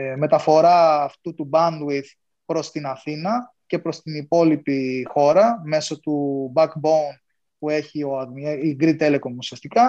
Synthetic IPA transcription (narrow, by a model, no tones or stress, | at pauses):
me̞t̪ɐfo̞ɾɐːft̪ut̪ubɐnd̪wið | pɾo̞st̪inɐθinɐ | ce̞pɾo̞st̪inipo̞lipixo̞ɾɐme̞so̞t̪ubɐkboun | pue̞çio̞ɐðiɡɾit̪e̞leko̞nusiɐst̪ikɐ